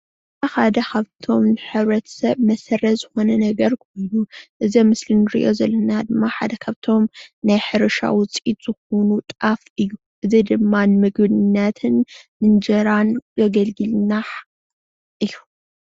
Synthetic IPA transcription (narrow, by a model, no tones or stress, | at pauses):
axad̪ɐkʰaβt̪ʰo̞mnɨħɨβɾɐt̪ʰsɐβmɐsɐrɐzɨxo̞nɐnɐɡɐɾkʰo̞jnuʔɨzimɨslinɨɾḭʔo̞zɐlːɐnad̪ɨmːaħa̰d̪ɐkʰaβt̪ʰo̞mnajħɨɾɨʃa̰wʊt͡sʼit̪z̥ɨxonut̪ʼafɨjːu | ʔɨzid̪ɨmːanɨmɨɡbɨdnːat̪ʰɨnːɨnd͡ʒɐɾanɡɐɡɐlɡɨlnaħ | ʔɨjːu